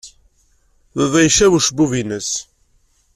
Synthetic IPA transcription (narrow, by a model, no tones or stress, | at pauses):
ðəðæjʃæwuʃəbuvinəs